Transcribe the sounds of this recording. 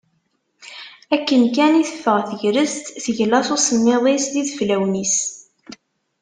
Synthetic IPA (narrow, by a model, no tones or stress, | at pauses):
ækːənkæniθəfːəʁθəʝɾəzt̪θəʝlɑsusənːɪðˤesðiðəflæwnis